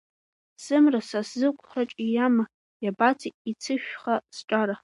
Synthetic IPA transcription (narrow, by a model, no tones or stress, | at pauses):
sɨmrasaszɨkʷʰʼχaʈ͡ʂʼijama | jabat͡sʰiit͡sʰɨʃᶣχasʈ͡ʂʼaɾa